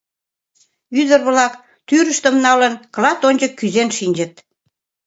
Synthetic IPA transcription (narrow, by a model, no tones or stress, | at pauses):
yd̪ərβlɑk | t̪yɾəʃt̪əmnɑlənklɑt̪onʲd͡ʑəkːyzenʃinʲd͡ʑə̆t̪̚